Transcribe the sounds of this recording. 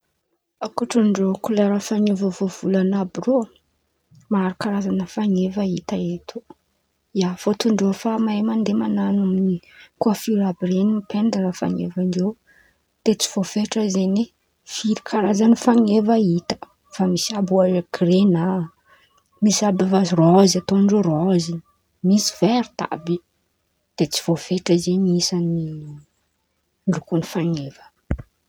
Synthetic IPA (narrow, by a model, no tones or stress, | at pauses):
akuʈ͡ʂuɳɖ͡ʐokulaɾafaŋevəvov̥ulanabiro | maɾikaɾazanəfaŋevait̪aet̪ʰu | jafot̪uɳɖ͡ʐefamamand̪emananaminikuafiɾabiɾenimipʰend̪anafa̰ŋḛvaɳɖ͡ʐew | d̪̥et͡si̥v̥ofeʈ͡ʂəzeni | fiɾikʰaɾazanifaŋevəit̪ə̥ | famisabuakrena | misabivazirɔzat̪onɳɖ͡ʐerɔzi | misi̥v̥eɾi̥t̪a̰bi | d̪̥et͡si̥v̥ofeʈ͡ʂəzeɲisani | lukunifaŋev̥ə̥